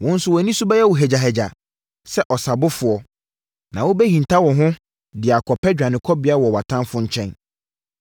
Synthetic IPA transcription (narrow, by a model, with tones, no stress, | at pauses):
wɔ̃˦n̩˦sʊ˦wɔ˨nĩ˦su˦ba˦jɛ˦wɔ˨ɦɛ˨d͡ʑa˨ɦɛ˨d͡ʑa˨ | sɛ˦ʔɔ˨sa˨bʊ˦fʊ˨ɔ˦ | nã̰˨wo˦bɛ˦hĩ˨n˨tʰa˦wɔ̃˨ɦʊ̃˦ | dɪ˨a˨kʰɔ˨pʰɛ˦d͡ʑᶣa˨nɪ̃˨kʰɔ˦bɪ˨a˦wɔ˨wa˨tʰã˦fʊ̃˦ɲ̩˦t͡ɕʰɛ̃˦n